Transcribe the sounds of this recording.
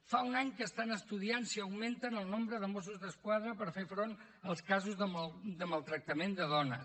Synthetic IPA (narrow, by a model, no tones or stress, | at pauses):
faunaɲkəːst̪anəst̪uðiansiəwment̪ənəlˠnombɾəðəmos̬uzðəskwaðɾəpəɾfefɾon | əlˠskazuzðəd̪əməlˠt̪ɾək̚t̪əmend̪əðɔnə